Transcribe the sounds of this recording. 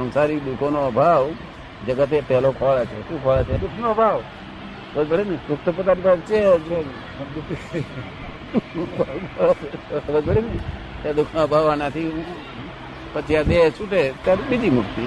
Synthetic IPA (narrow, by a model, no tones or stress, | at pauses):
ə̃nsaɾid̪ukʰonobʱaʋ | d͡ʒəɡət̪̬epɛɦlokʰɔɭet͡ʃʰeʃũkʰɔɭet͡ʃʰed̪ʊkʰnobʱaʋ | ɾəd͡ʒbəɽined̪ʊkt̪op̬t̪anibʱaʋt͡ʃed͡ʒe | d̪ukii | bʱaʋɡɔet͡ʃʰeɾəd͡ʒbəɽinet̪jad̪ʊkʰnobʱaʋanat̪ʰiũ | pət͡ʃijad̪et͡ʃuʈet̪jaɾibid͡ʒimʊʈt̪i